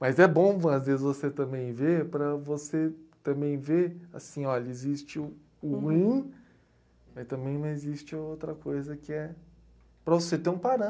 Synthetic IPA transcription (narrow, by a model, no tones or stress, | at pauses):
mɐzɛbõɐ̃ɐzvezɪzvoset̪ɐ̃bẽj̃vepɾɐvoset̪ɐ̃bẽj̃veɾa̰sĩɔʎɐezist͡ʃɪʊ | ʊhuĩ | mɐst̪ɐ̃mbẽj̃nɐ̃ezist͡ʃɪowt̪ɾɐkojzɐkɪɛ | pɾɐvoset̪ẽũpaɾɐ̃